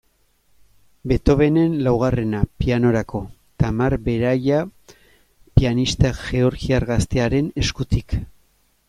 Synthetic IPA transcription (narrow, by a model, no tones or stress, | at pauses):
be̞t̪o̞βe̞ne̞nlawɣ̞are̞napiano̞ɾako̞ | t̪amaɾbe̞ɾaja | pianist̪aʝe̞o̞ɾɣiaɾɣast̪eaɾe̞ne̞skut̪ik